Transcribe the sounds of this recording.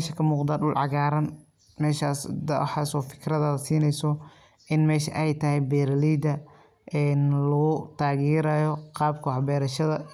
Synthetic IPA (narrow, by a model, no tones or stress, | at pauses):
ʃɐkʰɐmuːqd̪aːɗʊlʕɑɣaːɾɐn | mɛːʃaːsd̪̰ħɑːsɔːfɪ̥kʰrɐðɐðɐsiːnɛjsɔ | ʔɪnmɛːʃɐʔɛjt̪ʰɐɦɛjbɛːɾliːd̪ɐ | ʔɛːnlɐʊt̪ʰaːɣiːɾɐjɔqɑːbkʰɐħbɛːɾɐʃɐðɐ